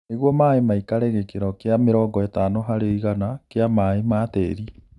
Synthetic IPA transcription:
neɣwɔmaemaikaɾɛɣekeɾɔkeameɾɔːɡɔetanoɦaɾeiɣanakeamaemaːtɛ̰ːɾi

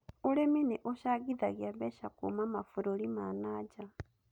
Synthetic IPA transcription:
olemineʔoʃaɣiðaɣjaβeʃakṵmamafuɾolimanaɟa

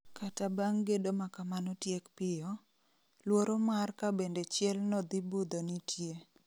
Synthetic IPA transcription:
kʰatabaŋɡedomakamanotjekpɪjɔ | lwoɾomarkabendet͡ʃjɛlnɔd̪ibud̪onitʰje

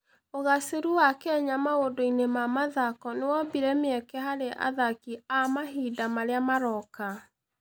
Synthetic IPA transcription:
oɣaseɾuwakɛɛɲamaodoinemamaðakɔnewɔbiɾɛmeɛkɛɦaɾeʔa̰ðakiamaɦidamaɾeamaɾɔka

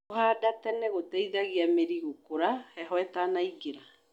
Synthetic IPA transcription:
ohaːdatɛnɛɣotɛiðaɣiameɾiɣokoɾahɛɦwɛtanaiɡeɾa

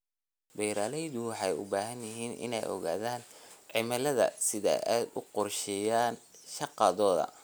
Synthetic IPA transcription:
bɛjɾaːlɛjðʊwɑħɑjʊ̰baːɦɐnjɪɦiːnʔɪ̰nɛ̰jɔ̰ɣa̰ːðaːnʕɪmɐlɐðɐ̰sɪða̰ːʔaːd̪ʊqʊrʃɛjaːnʃɑqɑðɔːðɐ̰

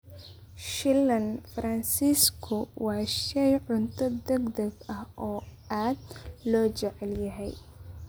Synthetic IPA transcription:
ʃɪlːɐnfɾɐnsiːskʰʊwɑːʃɛjʕʊnt̪ʰɐd̪ɛɡd̪ɐɡɐhʔɔː | aːd̪̚lɔːt͡ʃɛʕɛljɐɦɛj

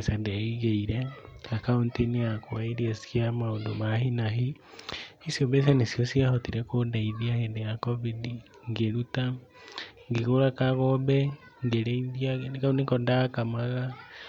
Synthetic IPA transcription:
sandeiɣeiɾeakauntiniakwaiɾiesamaundomahinaɦi | isioβes̬anisjosiahotiɾekodaiðjaɣendejakoβidi | ŋɡeɾuta | ŋɡiɣoɾakaɣobeŋɡeɾeiðjanikaunikondakamaɣa

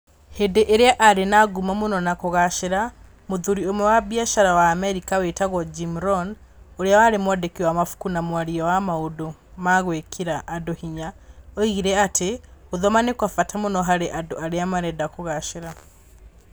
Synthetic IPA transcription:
hedeʔeɾeaʔaɾenaɡumamonɔnakoɣaʃeɾa | moðuɾiomwɛwaβjaʃaɾawaːmɛɾikawetaɣwɔd͡ʒimɾɔn | oɾejawaɾemwɔdekiwamafu̥kunamwaɾiawamaodo | maɣwekʰiɾaʔːdohiɲaoiɣiɾɛateoðɔmanekwafatʰamonɔɦaɾeʔadoaɾeamaɾɛdakoɣaʃeɾa

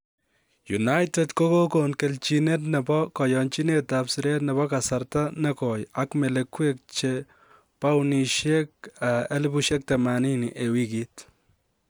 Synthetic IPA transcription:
junajtɛtkokokonkelt͡ʃinetnɛbɔkɔjɔnt͡ʃinetapsɪɾetnɛβɔkasaɾtanɛkɔjakmɛlekwek̚t͡ʃe | pawniʃjɛk̚aelbuʃjɛk̚tɛmaninḭʔewikit

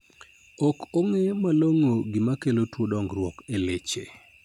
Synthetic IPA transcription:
okoŋemaloŋoɡɪmakelotwodɔŋɡɾwɔkelet͡ʃḛ

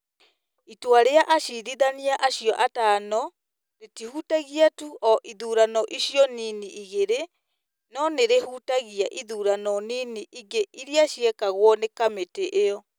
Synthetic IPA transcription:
itwaɾeaʔaʃiðiðaniaʔaɕiɔʔatanɔ | ɾetihutaɣiatuʔɔʔiðuːɾanɔʔiɕjɔniniiɣeɾe | nɔneɾehuːtaɣiaʔiðuːɾanɔniniʔiŋɡeʔiɾiaɕiɛkaɣwɔnekameteʔeɔ

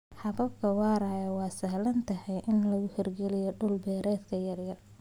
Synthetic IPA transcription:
ħɑβɐbkʰɐwɑːɾaːjɐwɑːsɐhlɐnt̪ʰɐhɛjʔɪnlɐɣʊhɪrɡɛlɪjɔɖʊlbɛːɾɛːd̪kʰɐjɐrjɐr

